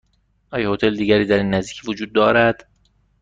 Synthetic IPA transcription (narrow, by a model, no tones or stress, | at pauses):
ʔɒːjɒhot̪ʰeld̪iːɡæɾiːd̪æɾiːnːæzd̪iːcʰvod͡ʒuːd̪̚ːɒːɾæd̪̥